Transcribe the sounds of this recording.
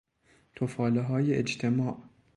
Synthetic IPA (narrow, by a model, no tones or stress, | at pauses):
t̪ʰofɒːleɦɒːjeʔed͡ʒt̪ʰemɒːʔ